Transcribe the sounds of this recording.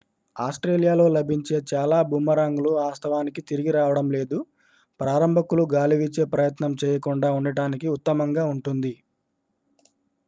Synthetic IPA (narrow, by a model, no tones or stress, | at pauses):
aːsʈɾe̞ːlijaːlo̞ːlɐbʱiɲt͡ʃe̞ːt͡ʃaːlaːbʱumːɐɾaːŋɡuluaːst̪ʰɐʋaːnikit̪iɾiɡiɾaːʋɐɽɐmle̞ːd̪u | pɾaːɾɐmbʱɐkuluɡaːliʋit͡ʃe̞ːpɾɐjɐt̪nɐmt͡ʃɛːjɐkuɳɖaːuɳɖɐʈaːnikiut̪ːɐmɐŋɡaːuɳʈund̪i